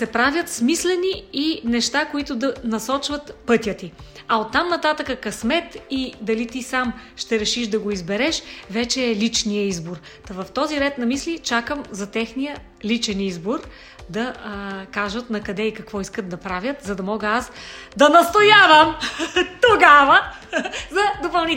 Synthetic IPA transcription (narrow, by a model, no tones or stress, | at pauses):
sɛpɾavʲjət̪smislɛniinɛʃt̪akoit̪ʊd̪ɐnɐsɔt͡ʃvɐt̪pɤt̪ʲjət̪iɐot̪ːamnɐt̪at̪əkəkɐsmɛt̪id̪ɐlit̪isamʃt̪ɛɾɛʃiʃd̪ɐɡoizbɛɾɛʃvɛt͡ʃɛːlit͡ʃnijəizboɾ | t̪ɐvɐft̪ɔziɾɛt̪nɐmislit͡ʃakəmzɐt̪ɛxnijə | lit͡ʃɛnizboɾ | d̪ɐkaʒət̪nɐkɐd̪ɛikɐkvɔiskət̪̚d̪ɐpɾavʲjət̪zɐd̪ɐmɔɡəasd̪ɐnɐst̪ojavəmt̪oɡavə | zɐd̪opɐlˠni